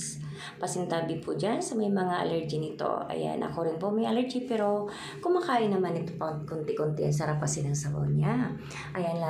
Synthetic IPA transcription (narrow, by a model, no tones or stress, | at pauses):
s | pɐsɪnt̪aːbɪpʰʊd͡ʒansɐmɐjmɐŋaʔɐ̰lɛɹd͡ʒɪnɪt̪o̞̰ʔɐ̰ja̰nʔɐ̰koɾɪnpomɐjʔalɛɾd͡ʒipɛɾo̞ | kʊmakaːʔɪnɐmanːɪt̪opɐkʊnt̪ɪkʊnt̪ɪʔɐns̬ɐɾapasɪnɐŋsɐbo̰wɲa | ʔɐjanla